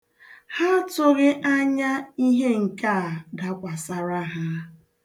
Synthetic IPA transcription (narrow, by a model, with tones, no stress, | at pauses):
ha˦tʊ˦ɣɪ˦ʔa˦ɲa˦i˦ɦe˦ŋ̩˨ka˦˨da˨˦kʷa˨sa˨ɾa˦ɦa˦